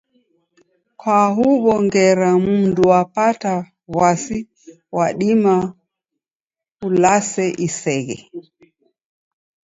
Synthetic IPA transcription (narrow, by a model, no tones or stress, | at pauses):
kwaɦuβɔŋɡɛɾamunduapata | βwasi | waɗima | ulasɛʔisɛɣɛ̰